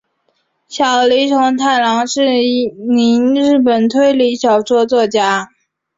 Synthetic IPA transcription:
ɕjɑ˨˩ʊli˧˥ʈ͡ʂʰʊ˧˥ŋt̪ʰa˥˩ɪlɑ˧˥ŋʂɻ̩˥˩˧ni˧˥nɻɻ̩˥˩p̬ə˨˩nt̪ʰwe˥˩ɪli˧˥ɕjɑ˨˩ʊt͡swɔ˥˧t͡swɔ˥˩t͡ɕja˥

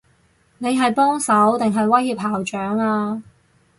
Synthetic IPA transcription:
ne˨˧jɦɐ˨jpɔː˥ŋsɐ˨˥wt̪ɪ˨ŋɦɐ˨jwɐ˥jhiː˧p̚haː˨˩wt͡ʃœː˨˥ŋaː˧

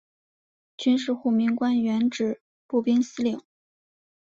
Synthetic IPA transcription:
t͡ɕy˥nʂ̬ɻ̩˥˧xu˥˩mi˧˥ŋkwa˥nɥɛ˧˥nʈ͡ʂɻ̩˨˩ | pu˥˩pi˥ŋsɹ̩˥li˨˩˦ŋ

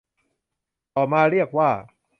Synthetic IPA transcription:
t̪ɔː˨˩maː˧ɾi˥˩ək̚waː˥˩

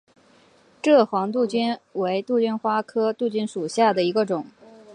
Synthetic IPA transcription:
ʈ͡ʂɤ˥˩xwɑ˧˥ŋt̪̬u˥˧t͡ɕy˥nwe˧˥ɪt̪u˥˧t͡ɕy˥˩nxwa˥kʰɤ˥t̪u˥˧t͡ɕy˥˩nʂu˨˩ɕja˥˩d̪ə˩i˧˥ɡə˧ʈ͡ʂʊ˨˩˦ŋ

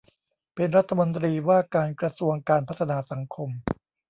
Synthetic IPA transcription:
pe˧nɾa˦˥t̪ʰːa˧mo˧nt̪ɾiː˧waː˥˩kaː˧nkɾa˧su˧əŋkaː˧npʰa˦˥t̪ʰːa˧naː˧sa˩˦ŋkʰo˧m

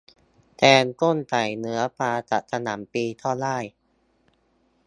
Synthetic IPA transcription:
t̪ɛː˧nko˥˩nt͡ɕa˨˩jnɯ˦˥ɐpaː˧ta̰˨˩sʰa˧na̰ː˩˦mpiː˧t̪ʰɔː˥˩laː˥˩j

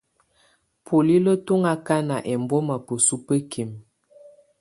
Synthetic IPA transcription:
pʰo˨li˦lə˦to˦ŋa˦ka˦na˨ʔɛ˨mbɔ˦ma˨pə˨su˦pə˦kʰe˨m

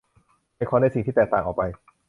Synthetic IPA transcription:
jkʰɔː˧˦na˧si˨˩ŋt̪iː˥˩ɛː˨˩k̚t̪aː˨˩ŋʔɔː˨˩pa˧j

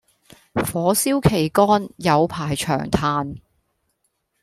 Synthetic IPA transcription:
fɔː˨˥siː˥wkʰe˨˩jkɔː˥njɐ˨˧wpʰaː˨˩jt͡ʃʰœ̰ː˨˩ŋt̪ʰaː˨˧n

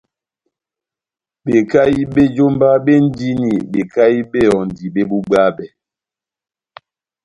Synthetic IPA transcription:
be˨ka˦i˦ɓe˦d͡ʒo˦mba˦be˦n̩˦di˦ni˨be˨ka˦i˦be˦˨jɔ˨n̩˨di˨be˦bu˦ɡ͡ba˦bɛ˨

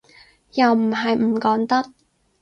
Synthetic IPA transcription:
jɐ˨wm̩˨˩ɦɐ˨jm̩˨˩kɔː˨˥ŋt̪ɐ˥k̚

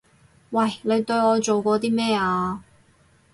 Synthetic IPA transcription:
wɐ˥˩jle˨˧jt̪ɵ˧ɥɔː˨˧t͡so˨wkɔː˨˧t̪iː˥mɛː˥˩aː˧

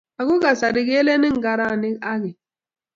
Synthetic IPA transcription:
a˨ɡu˦ɡa˨sa˨ɾi˨ɡe˦le˦ni˦ŋ̩˨ɡa˨ɾa˦˨ni˦a˦ɡi˨

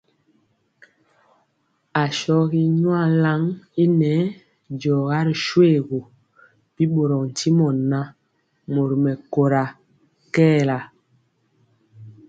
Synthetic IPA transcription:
a˨ʃɔ˦ɣi˦ɲwa˦˨la˦ŋi˦nɛ˨˦ | d͡ʒɔ˨ɣa˦ɾi˨ʃwe˦ɣo˨ | pi˦ɓo˨ɾɔ˨kn̩˨ti˦mɔ˨nːa˦ | mo˨ɾmɛ˨ko˨ɾa˨ | kɛː˦la˨

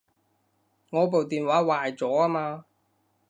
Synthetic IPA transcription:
ŋɔː˨˧p̬o˨wt̪iː˨nwaː˨˥waː˨jt͡sɔː˨˥aː˥maː˧

